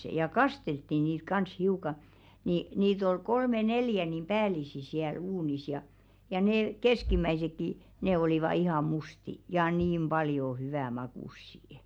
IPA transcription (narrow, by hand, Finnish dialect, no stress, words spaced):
jɑ kɑsteltːi niːt kɑns hiukɑ ni niːt ol kolme neljæ nim pæːlisi siæl uːnis jɑ jɑ neˑ keskimˑæisekːi ne olˑiʋɑ ihɑˑ musti jɑ niːm b̥ɑljo hyʋæ mɑkuˑsːiə̆